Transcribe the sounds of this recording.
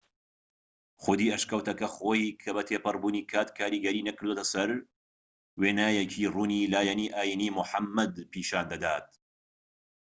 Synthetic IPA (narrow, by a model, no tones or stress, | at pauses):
xʊd̪iːɐʃkɐwt̪ɐkɐχoːjikʰɐbɐt̪ʰeːpɨrbuːniːkʰaːt̪kʰaːɾiːɡɐɾiːnɐkɨɾd̪oːt̪ʰɐsɐɾ | weːnaːjɛcʰiːruːniːlaːjɛniːʔaːjiniːmʊħamːɐd̪pʰiːʃaːnd̪ɐd̪a̰ːt̪̚